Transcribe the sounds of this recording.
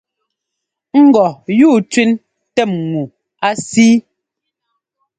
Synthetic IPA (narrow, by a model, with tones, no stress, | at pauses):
ŋ̩˦ɡɔ˨juː˦˨t͡ʃwi˦n | tɛ˦˨mŋu˨ | a˦siː˦